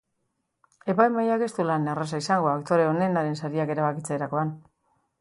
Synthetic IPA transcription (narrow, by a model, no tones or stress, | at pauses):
e̞pajmajake̞st̪ulanarasaisaŋɡoakt̪o̞ɾe̞o̞ne̞naɾe̞nsaɾiake̞ɾaβakit͡seɾako̞an